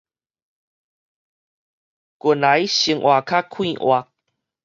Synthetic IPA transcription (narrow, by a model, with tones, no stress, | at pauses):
ku˨˩˨nla˨˦jɕi˧˦ŋʔwa˨˩kʰa˦˥kʰwĩ˥˧˨ʔwa˧˩k̚